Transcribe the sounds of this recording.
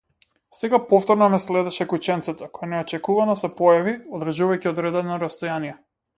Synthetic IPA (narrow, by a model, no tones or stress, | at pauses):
sɛɡapɔft̪ɔɾnɔmɛslɛd̪ɛʃɛkut͡ʃɛnt̪sɛt̪ɛkɔ̥janɛɔt͡ʃɛkuvanɔsɛpɔjaviɔd̪ɾaʒuvajciɔd̪ɾɛd̪ɛnɔɾast̪ɔjanijɛ